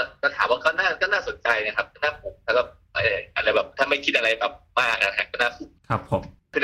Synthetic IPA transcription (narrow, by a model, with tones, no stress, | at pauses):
ɔ˥˩kɔː˥˩t̪ʰaː˩˦mwaː˧˩kɔː˥˩wnaː˥˩kɔː˥˩naː˥˩so˩˦nt͡ɕa˧jna˦˥kʰa˦˥p̚kʰɔː˥˩naː˥˩pʰo˩˦mt̪ʰaː˥˩ɔː˧˩p̚ | a˨˦˨ʔla˧jbɛː˨˩p̚t̪ʰaː˥˩ma˥˩jkʰi˦˥t̪ʔa˧ɾa˧jbɛː˨˩p̚maː˥˩k̚a̰˧kʰa˧˩kɔː˥˩wnaː˥˩fu˨˩kʰa˦˥pʰːo˨˦mkʰɯ˧˩